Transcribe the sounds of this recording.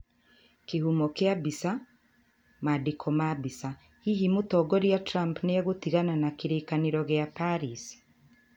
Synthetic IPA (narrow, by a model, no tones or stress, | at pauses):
kehumɔkeabisa | madekʰɔmabisa | hiɦimutɔɡɔɾiatɾampneɣotiɣananakeɾekaneɾɔɣeapaɾisi̥